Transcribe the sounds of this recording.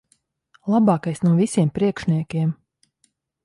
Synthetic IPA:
lˠabɑːkajsnuɔvisiɛmpɾiɛkʃnʲiɛkʲiɛm

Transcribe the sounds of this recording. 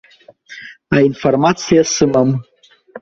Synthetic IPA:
ainformat̪sijasɨməm

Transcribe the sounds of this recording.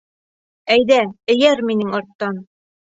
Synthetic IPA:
æjðæɘ̆jæɾminɘŋɑɾt̪ːɑn

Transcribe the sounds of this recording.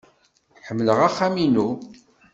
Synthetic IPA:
ħəmːləʁaχːæminu

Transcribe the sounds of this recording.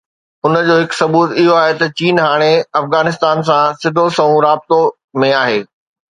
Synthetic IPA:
ʊnə̆d͡ʑoːɦɪksɐbuːt̪ɪɦoaːɦet̪ɐt͡ɕiːnɦaːɽ̃eɐfɣaːnɪs̬t̪aːns̬ãsɪd̪ʱosɐũɾaːb̚t̪o | mẽaːɦeː

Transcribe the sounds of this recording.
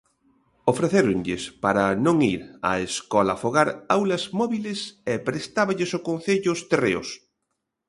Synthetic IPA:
ofɾeθeɾʊŋʎɪspaɾɐnõŋiɾɐ̰eskɔlɐfoɣaɾawlɐzmɔβilɪsepɾest̪aβɐʎɪsʊkõn̟θeʎʊst̪erḛo̰s

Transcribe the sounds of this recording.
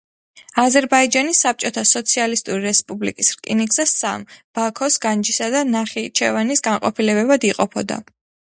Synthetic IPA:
azɛɾbaid͡ʒanisːap̚t͡ʃʼɔt̪ʰasɔt̪sʰialist̪ʼuɾiɾɛspʼublḭkʼisɾkʼinikz̥asa̰mb̥akʰɔsɡand͡ʒisad̪anaχit͡ʃʰɛvanisɡaɴqʼɔpʰilɛbɛbad̪iqʼɔpʰɔd̪a̰

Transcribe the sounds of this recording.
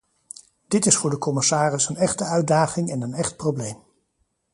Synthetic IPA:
d̥ɪtɪsfʊːɹdəkɔmɪsaːrɪsənɛχtəœɥd̚aːχɪŋɛnənɛχt̚prowblejm

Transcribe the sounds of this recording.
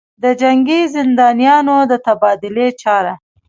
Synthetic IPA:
d̪əd͡ʒaŋɡizɪnd̪ɑnijɑnod̪ət̪abɑd̪ɪlet͡ʃɑɾa

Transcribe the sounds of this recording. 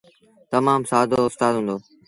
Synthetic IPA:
t̪ɐmaːmsaːd̪ʱoːʊst̪aːd̪ɦũːnd̪oː

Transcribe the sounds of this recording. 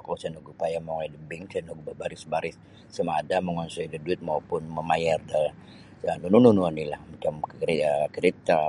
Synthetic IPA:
kasanuɡupajamoŋadəbɪŋsanuɡubabaɾɪsbaɾɪsː | amaːdaməŋɔnsɔjdəduɪt̪̚maupʊnməmajardal | ənunununuanilahmat͡ʃamkkəɾit̪a

